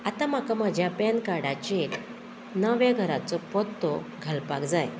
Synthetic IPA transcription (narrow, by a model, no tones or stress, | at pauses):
at̪am̤akaməd͡ʑʱjapɛnkaɽat͡ɕel | nəʋjaɡʱəɾat͡sɔpɔt̪ːɔɡʱəlpa̰kd͡zaj